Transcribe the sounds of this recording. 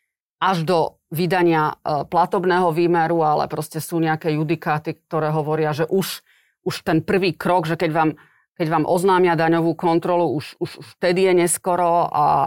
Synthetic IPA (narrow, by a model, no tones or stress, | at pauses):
ʔaʒd̪ɔ | ʋid̪aɲɪaplat̪ɔbnɛːɦɔʋiːmɛɾualɛ̰pɾɔscɛsuːɲɛakɛːjud̪ikaːt̪ik̚t̪ɔɾɛːɦɔʋɔɾɪaʒɛʔuʃ | uʃt̪ɛnpr̩ʋiːkɾɔɡʒɛkɛɟʋaːm | kɛɟʋaːmʔɔznaːmɪad̪aɲɔʋuːkɔnt̪ɾɔluuʃuʃft̪ɛd̪ijɛɲɛskɔɾɔa̰